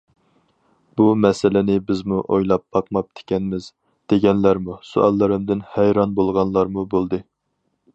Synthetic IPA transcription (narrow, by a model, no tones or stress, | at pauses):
bumɛsɪlɪnɪbɪzmuʔo̰jlˠɑpʰːɑqmɑp̚t̪ʰe̥kʲɛnmɪz | d̪̥eɡʲɛnlæɾmusṵɑ̰lˠːɨɾɨmd̪ɪnhɛjɾɑnbolˠʁɑnlˠɑɾmubolˠd̪ɨ